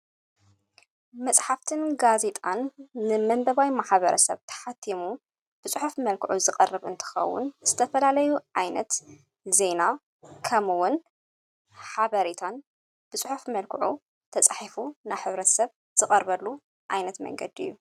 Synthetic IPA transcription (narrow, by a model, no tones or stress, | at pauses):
mɐt͡sʼħaft̪ʰɨnɡaze̞t̪ʼanːɨmɐmbɐβajmaħβɐɾʔɐ̰sɐ̰βt̪ʰɐ̥ħat̪ʰːimu | b̥ɨsʼɨħufmɐlkʰɨʕuzɨkʼɐrɨβɨ̰nt̪ʰɨ̥xɐ̰wːʊ̰nzɨt̪ʰɐfɐlalɐjuʕajnɐt̪ | ze̞na | kʰɐmɨwʊn | ħaβɐɾet̪ʰan | b̥ɨsʼɨħufmɐlkʰɨʕu | t̪ʰɐt͡sʼħifunajħɨβɾɐt̪sɐβ | z̥ɨkʼɐɾβɐlːu | ʕajnɐt̪mɐ̰ŋɡɐd̪iɨ̰jːu